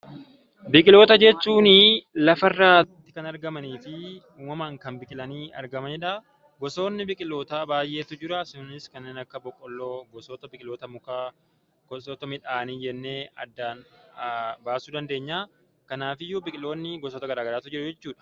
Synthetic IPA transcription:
bɪkʼɪlo̞ːt̪ɐd͡ʒɛt͡ʃːuːnɪlɐfɐrːaːt̪ːɪ̥kɐnɐɾɡɐmɐniːfɪ | uːmɐmaːŋkɐnbɪkʼɪlɐniːɐ̰ɾɡɐmɐnɪᶑa | ɡɔso̞ːnːɪbɪkʼɪlo̞ːt̪aːbaːjʔe̞ːt̪ʊd͡ʒɪɾɐsʊnɪskɐnːeːnɐkːɐbɔkʼːɔlːoːɡɔsoːt̪ɐbɪkʼɪloːt̪ɐmʊkaː | ɡɔsoːt̪ɐmɪᶑaːniːd͡ʒɛnːe̞ːɐ̰d̪ːaːn | baːsuːd̪ɐnd̪e̞ːɲːaː | kɐnaːfɪjʊbɪkʼɪlo̞ːnːɪɡɔsoːt̪ɐɡɐɾaːɡɐɾaːt̪ʊd͡ʒɪɾɐd͡ʒɛt͡ʃːuːᶑɐ̥

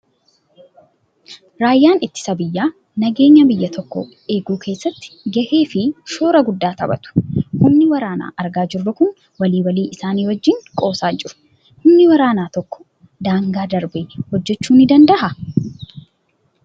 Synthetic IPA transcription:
ɾaːjːaːnɪt̪ːɪ̥sɐbɪjːaː | nɐɡe̞ːɲːɐbɪjːɐt̪ʰɔkːɔ̰ | e̞ːɡuːkʰe̞ːsːɐt̪ːɪ̥ɡɛʔeːfɪʃo̞ːɾɐɡʊd̪ːaːt̪ɐbɐ̰t̪ʊ̥hʊmnɪwɐɾaːna̰ːʔɐɾɡaːd͡ʒɪrːʊkʊn | wɐliːwɐliːʔɪsaːniːwɔd͡ʒːɪŋkʼo̞ːsaːd͡ʒɪɾʊ̥ | hʊmnɪwɐɾaːnaːt̪ɔkːɔ̥ | d̪aːŋɡaːd̪ɐɾbɪhɔd͡ʒːɛt͡ʃːuːnɪd̪ɐnd̪ɐʔɐ

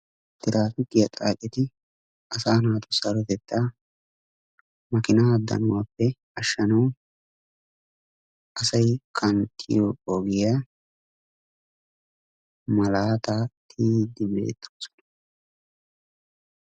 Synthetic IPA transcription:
t̪ɪɾaːt̪ɪt̪ːɪjɐt̪ʼa̰ːkʼɪt̪ɪ | ɐsaːnaːt̪ʊsɐɾɔt̪ɛt̪ːa | mɐkɪnaɐd̪ːɐ̰nʊwaːpːɛ | ɐʃːɐnɐw | ʔɐsɐjkʰɐnt̪ʰʼːɪ̰jooɡɪja | mɐlaːt̪aːt̪ʰiːd̪ːɪbe̞̰ːt̪ʰʼːoːsɔ̥nɐ̥

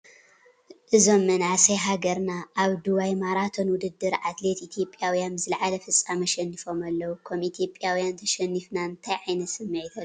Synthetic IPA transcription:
ʔɨzo̞mːɨnasɐjɦaɡɐɾnaʔːβd̪uβajmaɾat̪ʰo̞nwʊd̪ɨd̪ːɨɾʔat̪le̞t̪it̪ʰijo̞pʼjawjanbzɨlʕalɐfɨt͡sʼːamɐʃɛnːifo̞malːɐwukʰɐmit̪ʰjo̞pʼjawjant̪ʰɐʃɛnːifnaɨnt̪ʰajʕajnɐsɨmːɐt̪ʰɐ

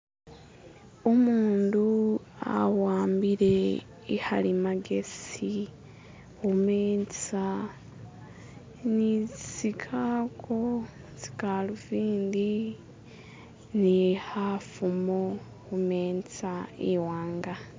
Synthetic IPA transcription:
omuːndua̰waːmbiɾe̞ | ihaɾimaɡesi | omeːnt͡sa | nit͡sit͡sikʰakʰo | t͡si̥kaluviːndi | nihafumo | umeːnt͡saiwaːŋɡa

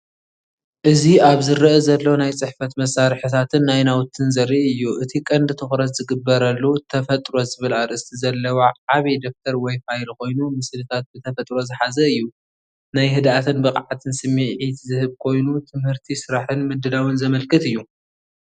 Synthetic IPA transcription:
ʔɨziaβzɨɾɨʔɨzɐlːɐwnajt͡sʼɨħfɐt̪mɐsːaɾħit̪ʰat̪ʰɨnːajnawt̪ʰɨnzɐɾɨʔɨjːuʔɨt̪ʰikʼɐnd̪ɨt̪ʰɨxɾɐt̪z̥ɨɡɨbːɐɾɐlːut̪ʰɐfɐt̪ʼɾo̞zɨβɨlaɾʔɨst̪ʰizɐlːɐwaʕaβid̪o̞k̚t̪ʰɐɾwɐjfajlko̞jnumɨslɨt̪ʰat̪̚bɨt̪ʰɐfɐt̪ʼɾo̞zɨħazɐɨjːu | najɦɨd̪at̪ʰɨnbɨqʼʕat̪ʰɨnsɨmːiʕit̪zɨhɨβkʰo̞jnut̪ʰɨmhɨɾt̪ʰisɨɾaħɨnmɨd̪ːɨlawɨnzɐmɐlkʰʼɨt̪ɨjːu

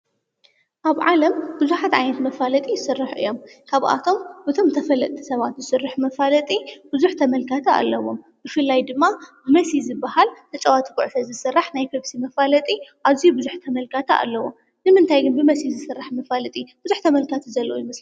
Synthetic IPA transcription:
ʔaβʕalɐmbɨzuħat̪ʕa̰jnɐt̪mɐfalɐt̪ʼijɪsɨrːaħʔɨ̰jːo̞mkʰaβʔa̰t̪ʰo̞mbɨt̪ʰo̞mt̪ʰɐfɐlɐt̪t̪ʰi̥sɐβat̪zɨsɨrːɨħmɐfalɐt̪ʼib̥ɨzuħt̪ʰɐmɐlkʰat̪ʰɐa̰lːɐwo̞m | bɨfɨlːajd̪ɨmːabɨmɐsizɨbːahalt̪ʰɐt͡ʃʼɐwat̪ʰɨkʼuʕsɐzɨsɨrːaħnajpʰebsimɐfalɐt̪ʼiʔazijubɨzuħt̪ʰɐmɐlkʰat̪ʰɐʔa̰lːɐwo̰m | nɨmɨnt̪ʰajɡɨnbɨmɐsizɨsɨrːaħmɐfalɐt̪ʼib̥ɨzuħt̪ʰɐmɐlkʰat̪ʰɨzɐlːowojɪmɐsli

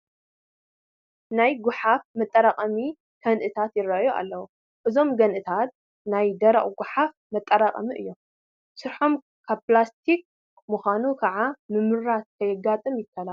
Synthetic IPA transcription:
najɡʊħafmɐt̪ʼːɐɾaqʼɐmi | kʰɐnʔɨt̪ʰat̪jɪɾːɐʔjuʔa̰lːɐwu | ʔɨzo̞mɡɐnʔɨt̪ʰat̪̚ | najd̪ɐɾɐ̰χʼɡʊħaf | mɐt̪ʼːɐɾaqʼɐ̰miʔɨjːo̞m | sɨɾħo̞m | kʰaβplast̪ʰik̚ | muxʷanukʰɐʕamɨmɨɾːat̪̚kʰɐjɪɡːat̪ʼɨmjɪkʰːɐla

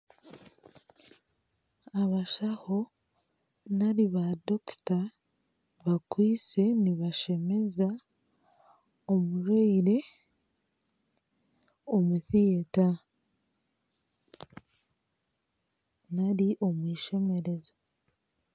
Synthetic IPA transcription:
aβaʃaho̞ | naɾiβadokta | βakwiːt͡se̞niβaʃe̞me̞za | omuɾeiɾe̞ | omuθijeta | naɾiʔo̞mwiːʃe̞me̞ɾe̞zo

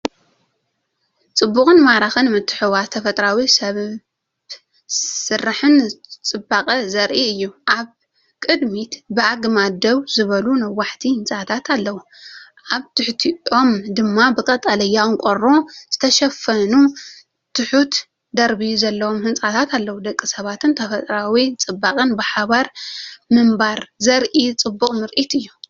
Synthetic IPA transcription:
t͡sʼɨbːukʼɨnmaɾaxɨnmɨt̪ʰːɨ̥ħɨwat̪ʰɐfɐt̪ʼɾawisɐ | sɨrːaħɨnt͡sʼɨbakʼɐzɐɾʔiɨjːuʔaβ | kʼɨd̪mit̪bɨaɡmad̪ɐwzɨβɐlunɐwːaħt̪ʰihɨnt͡sʼat̪ʰat̪ʰalːɐwu | ʔaβt̪ʰɨħt̪ʰio̞md̪ɨmːabɨkʼɐt̪ʼɐlɐjːawnkʼoɾo̞z̥ɨt̪ʰɐʃɐfɐnu | t̪ʰɨħut̪ | d̪ɐɾbizɐlːɐwomhɨnt͡sʼat̪ʰat̪ʰalːɐwud̪ɐkʼːisɐβat̪ʰɨnt̪ʰɐfɐt̪ʼɾawit͡sʼɨbːakʼɨnbɨħaβaɾmɨmbaɾzɐɾʔit͡sʼɨbːukʼmɨɾʔit̪ɨjːu

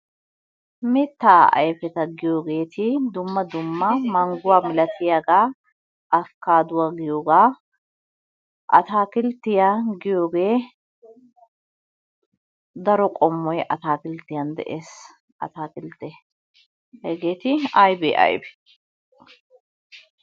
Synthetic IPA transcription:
mɪt̪ːaːɐ̰jfɛt̪ɐɡɪjoːɡeːt̪ɪd̪ʊmːɐd̪ʊmːɐmɐŋɡʊwaːmɪlɐt̪ʰɪjɐɡaː | ɐfkaːd̪ʊwɐɡɪjoːɡaː | ʔɐ̰t̪aːkɪlt̪ɪjaɡɪjoːɡeː | d̪ɐɾɔkʼɔmːɔjɛʔɐt̪aːkɪlt̪ɪjɐnd̪ɛ̰ʔeːs | ʔɐ̰t̪aːkɪlt̪ɛ | ɐjɡeːt̪ɪajbɛ̰ʔɐ̰jbɛ̥

